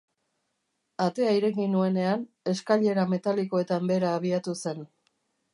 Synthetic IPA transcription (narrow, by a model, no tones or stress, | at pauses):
at̪e̞aiɾe̞kinue̞ne̞an | e̞skaʎe̞ɾame̞t̪aliko̞e̞t̪ambe̞ɾaːβ̞iat̪use̞n